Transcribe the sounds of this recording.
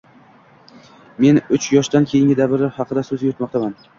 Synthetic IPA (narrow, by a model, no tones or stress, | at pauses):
me̞nʊt͡ʃjɒʃd̪ankʲʰejɪŋʲɪd̪abɪɾɪhɑqʰɨd̪asɵzɡʲajot̪mɒq̚t̪ʰaman